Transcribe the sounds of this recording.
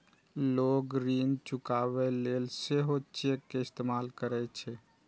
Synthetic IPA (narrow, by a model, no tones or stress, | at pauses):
loːɡɾiːnt͡ʃʊkaːβeleːlseɦot͡ʃekːeɪst̪emaːlkəɾɛt͡ʃʰɛ